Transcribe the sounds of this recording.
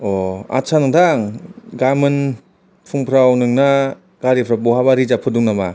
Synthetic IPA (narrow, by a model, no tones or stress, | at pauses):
ɔa̰sʰanɯŋdaŋɡamɯn | pʰuŋpʰɾawnɯŋna | ɡ̥aɾipʰɾabɔɦabaɾizapʰɯduŋnama